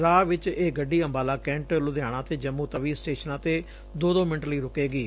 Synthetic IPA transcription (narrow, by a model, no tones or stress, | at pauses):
ɾaːʋɪt͡ʃeːɡəɖːiːəmbaːlaːkɛ̃ːɳʈlʊd̪ejaːɽ̃ãːt̪eːd͡ʒəmːũːt̪əʋiːsʈeːʃənãːt̪eː | d̪oːd̪õːmɪɳʈləiːɾʊkeːɡiː